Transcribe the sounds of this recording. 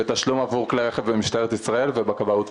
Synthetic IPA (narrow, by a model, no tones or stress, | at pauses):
et̪aʃlumavuʁkleʁeχevbemiʃt̪aeet̪isʁae̞lvebakabaut